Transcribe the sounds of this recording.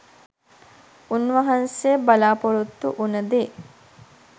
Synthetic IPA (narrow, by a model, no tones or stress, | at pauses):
unʋɐɦɐnsebɐlaːpoɾut̪ːṵʔunɐd̪e